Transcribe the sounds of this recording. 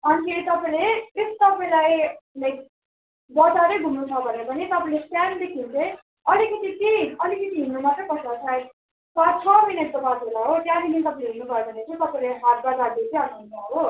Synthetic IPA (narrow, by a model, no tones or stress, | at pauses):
ʌnket̪ʌpaĩleest̪ʌpaĩlajne | bʌd͡zaɾʌjɡʱumnut͡sʰʌbʱʌnepʌnet̪ʌpaĩlespjand̪ekʰintej | ʌlikʌt̪iteʌlikʌt̪iɦimnumat̪ʌ̃pʌsasʰa | sat͡sʰʌmineʈ̚kobat̪ɦolaɦoʈjãnid̪int̪ʌpaĩeɦimnubʌebʱʌnet͡sʌĩt̪ʌpaĩleɦat̪̚bʌd͡zad̪etʌ̃ʌnaũnt̪ʰaɦo